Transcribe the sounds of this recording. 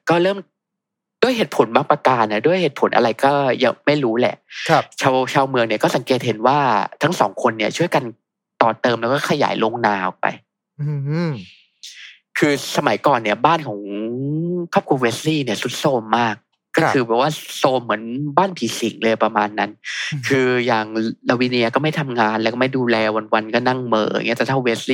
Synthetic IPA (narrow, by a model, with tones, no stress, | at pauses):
kɔː˥˩ɾɤː˥˩m | du˥˩əjɦeː˨˩t̪̚pʰo˩˦nbaː˥˩pɾa˧kaː˧˩nːa˧˩du˥˩əjheː˨˩t̪̚pʰo˨˩˦nʔa̰˧ɾa˧jkɔː˥˩ja̰ː˨˩ma˥˩jɾuː˦˥lɛ̰˨˩ʔt͡ɕʰaː˧wt͡ɕʰaː˧wmɯ˧əŋni˥˩ɐkɔ˥˩sa˩˦ŋkeː˨˩t̪̚ɦe˨˩˦nwaː˥˩t̪ʰa˦˥ŋsɔ̰ː˩˦ŋkʰo˧nːi˥˩ɐt͡ɕʰu˥˩əjka˧n | t̪ɔː˨˩t̪ɤː˧mlɛː˦˥wkɔː˥˩kʰa˧ja̰ː˩˦jlo˧ŋnaː˧ʔɔ̰˨˩k̚pa̰˧j | kʰɯː˧sa˧ma˩˦jkɔː˨˩nːi˥˩ɐbaː˥˩nkʰɔː˩˦ŋ | kʰɔ˥˩p̚kʰu˧weː˦˥sliː˥˩ni˥˩su˦˥t̪̚soː˧mːaː˥˩k̚ː | ɔː˥˩kʰɯː˧bɛ˨˩k̚waː˥˩soː˧mːɯ˩˦ənbaː˥˩npʰiː˨˦si˩˦ŋlɤː˧jpɾa˧maː˧nːa˦˥nkʰɯː˧jaː˨˩ŋla˧wiː˦˥ni˧˥ɐ˧˩kɔː˥˩ma˥˩jt̪ʰa˧mŋaː˧nlɛː˧˦˥kɔ˥˩ma˥˩jduː˧lɛː˧wa˧nwa˧nkɔː˥˩na˥˩ŋmɤ̰ː˩˨˩ŋː˦˥t̪ɛː˨˩t̪ʰa˥˩we˦˥sliː˥˩